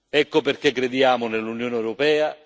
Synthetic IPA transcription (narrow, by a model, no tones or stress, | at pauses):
ɛkːoperkekːɾed̪jaːmʊnelːunjoːneɛwɾopɛːa